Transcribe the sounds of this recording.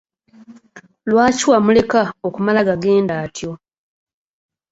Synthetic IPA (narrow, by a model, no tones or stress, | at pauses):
lwaːciwamule̞kaokumalaɡaɡe̞ːndaːtjo̞